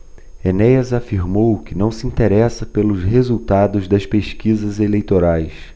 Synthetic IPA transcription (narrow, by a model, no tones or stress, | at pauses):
enɛjɐzafiɾmowkɪnɐ̃w̃sɪĩnt̪eɾɛsɐpelʊsɦezuwt̪ad̪ʊzd̪ɐspeʃkizɐzelejt̪oɾajs